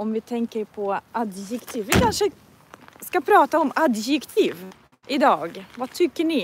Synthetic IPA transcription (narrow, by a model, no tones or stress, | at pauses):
ɔmvɪt̪ʰɛŋkəɾpʰɔʔad̪jɛkt̪ʰiːvːɪkʰanʂə | skapʰɾɑːt̪aɔmad̪jɛkt̪ʰiːv | ʔɪd̪ɑːɡvat̪ʰʏkːəɳɪ